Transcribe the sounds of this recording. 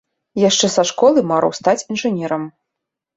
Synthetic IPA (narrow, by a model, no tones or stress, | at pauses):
jaʂt͡ʂɛsaʂkɔlˠɨmaɾɐ̰wst̪at͡sʲinʐɨnʲɛɾɐm